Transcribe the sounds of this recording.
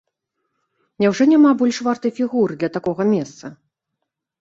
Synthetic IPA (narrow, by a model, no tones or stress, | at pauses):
nʲɛwʐɔnʲamabɔlʲʂvart̪ɨjfʲiɣurɨd̪lʲɐt̪akɔɣɐmʲɛst̪sɐ